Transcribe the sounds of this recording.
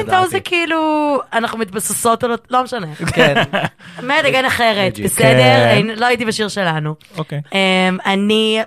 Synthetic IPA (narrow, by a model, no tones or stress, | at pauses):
ntowzekiiluanaχnumit̪̚baseso̞t̪ololo̞meʃanek | medaɡanaχeʁet̪besedeʁenloajit̪̬ibaʃiʁʃe̞lanuokeemani